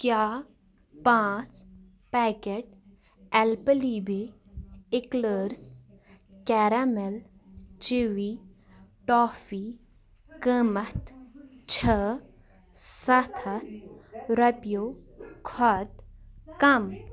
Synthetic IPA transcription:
kjaː | pãːs | pɛːkeʈ̚ | ɛlpəliːbe | ɪkləːɾs | kɛːɾamel | t͡ʃiʋi | ʈɔːfiː | kəːmɐt̪ʰt͡ʃʰə | sɐt̪ʰɐt̪ʰɾɐpjoːkʰɔt̪kɐm

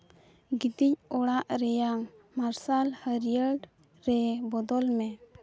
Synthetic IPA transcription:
ɡit̪ic̚ɔɽaʔɾɛjamː | aɾsalhəɾijəɖ | ɾɛbɔd̪ɔlmɛ

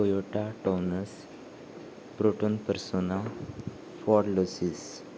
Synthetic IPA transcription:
kojoʈaʈɔwnəs | pɾoʈonpəɾsona | fɔɽlosis

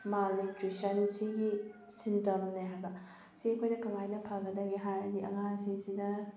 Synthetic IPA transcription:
malnitɾisɐnsiɡi | sintɐmnɐɦajbɐ | siɐkʰojnɐkɐŋajnɐpʰaɡɐdɐɡiɦaɾɐdiɐ̰ŋaŋsiŋsidɐ

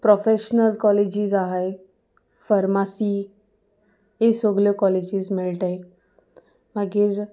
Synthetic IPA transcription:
pɾɔfeɕnəlkɔled͡ʑiːzaɦaj | faɾmasiː | esoɡljokɔled͡ʑiːzmeɭʈaj | maɡiːɾ

